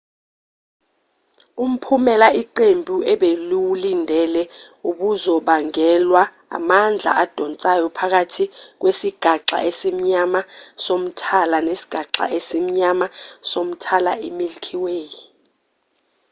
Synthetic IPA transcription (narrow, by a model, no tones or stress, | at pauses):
um̩pʰumɛlaʔiǃembʱuɛɓeliwulindʱɛlɛ | uɓuzɔɓaŋɛlwa̰ː | mand͡ɮʱa̰ad̥ʱɔnt͡sʼajɔpʰak̬atʰik̬wesiɡ̥ʱaǁa̰ʔesim̩ɲamasom̩tʰalanesi̥ɡ̥ʱaǁa̰ʔesim̩ɲamasom̩tʰalaimilkʰiweːji